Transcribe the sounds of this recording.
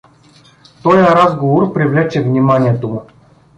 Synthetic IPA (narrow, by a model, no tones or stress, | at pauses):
t̪ɔjaɾazɡovorpɾʲivlʲɛt͡ʃːɛvnʲimanʲijət̪omʊ